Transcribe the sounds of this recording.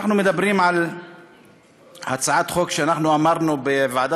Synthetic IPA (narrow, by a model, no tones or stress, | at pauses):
aħnumed̪abɾiːmʕal | hat͡saʕat̪χoːkʃeanaħnuʔamaɾnubevaʕd̪a